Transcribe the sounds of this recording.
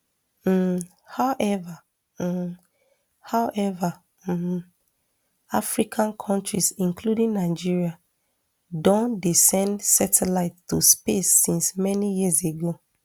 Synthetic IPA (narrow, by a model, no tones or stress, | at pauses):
hawʔɛva | haʊʔɛva | afɹikʰãnkʰɔ̃ntɹisĩŋkludĩŋnaɪd͡ʒiɹia | dɔ̃ndisɛ̃ndsɛtɛlaɪttːuspesːĩnsmɛnijiseɡo